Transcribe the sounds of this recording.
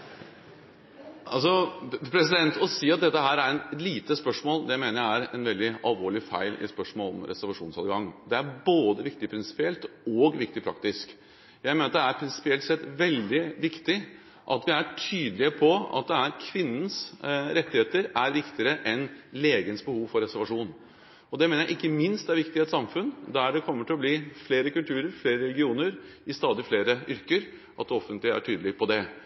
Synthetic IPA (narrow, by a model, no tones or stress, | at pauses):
ʔɑls̬ɔpʰɾɛsɪd̪ɛnt̪ʰɔsiːɑt̪̚d̪ɛt̪ːəɦæːɾæɾɛliːt̪əspœʂmoːld̪ɛæɪmeːnəɾjææɾɛnʋɛld̪ɪɑlˠʋoːɭɪfæ̰ɪlɪ̰spœʂmoːlɔ̰mɾɛ̰sæɾʋɑʂuːnsɑːd̪ɡɑŋːd̪ɛæɾboːd̪əʋɪkt̪ɪpʰɾɪnsɪ̥pɪɛlt̪oɡʋɪkt̪ɪpʰɾɑ̰kt̪ɪsk | jæɪmeːnɾɑt̪d̪ɛæɾpʰɾɪnsɪ̥pɪɛlt̪sɛt̪ʋɛld̪ɪʋɪkt̪ɪ | ʔɑt̪ʋɪæʈʰyːd̪lɪəpʰɔɑ̰t̪̚d̪ɛæɾkʰʋɪnːən̩sɾɛt̪ːɪheːt̪əɾæɾʋɪkt̪ɪəɾəʔɛnleːɡənəsbəhuːʋfɔɾɛsæɾʋɑʂuːn | ɔd̪ɛmeːnəɾjæɪʔɪkːəmɪnst̪d̪æɾʋɪkt̪ɪɛt̪sɑmfʉnd̪æɖɛkʰɔmːəʈʰɪlɔbliːfleːɾəkʉlt̪ʰʉːɾəɾfleːɾəɾɛlɡɪuːnəɾɪst̪ɑːd̪ɪfleːɾəʏɾkəɾ | ʔɑt̪d̪ɔfːənt̪lɪəæ̰ʈʰyːd̪əlɪpʰɔd̪ɛ